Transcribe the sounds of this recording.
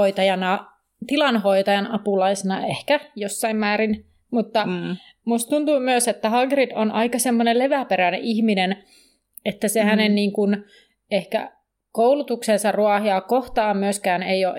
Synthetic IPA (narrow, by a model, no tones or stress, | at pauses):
oit̪ɑjɑnɑ | t̪ilɑnhoit̪ɑjɑnʔɑpulɑisenɑ̰ehkæjosːɑimmæːɾin | mut̪ːɑ | must̪t̪unt̪uːmyøset̪ːæhɑɡridonʔɑikɑsemːoneleʋæpeɾænḛʔihminen | et̪ːæsehænenniːŋkun | ehkæ̰ | koulut̪uksensɑruɑhjɑːkoht̪ɑːmmyøskæːneijo̰ːʔ